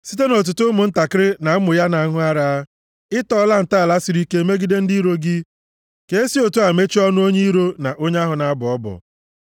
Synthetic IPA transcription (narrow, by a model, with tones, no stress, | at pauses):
si˦t̬e˦no˨t̬ʊ˨tʊ˦mʊ˨n̩˦ta˨kɪ˦ɾɪ˦na˨m̩˦mʊ˨ja˦na˨˦ŋʊ˦a˦ɾa˨a˦ | ɪ˦tɔː˦la˦n̩˨ta˦a˨la˦si˨ɾi˦ke˦e˦me˦ɡi˦de˦n̩˦di˦ɾo˦ɡɪ˦ | ke˨e˦si˦o˨tu˦a˨me˦t͡ʃi˦ɔ˦nʊ˦o˦ɲe˦i˦ɾo˦na˨ʔo˦ɲ˦a˦ɦʊ˨na˨a˦bʊ˨ɔ˦bɔ̰˨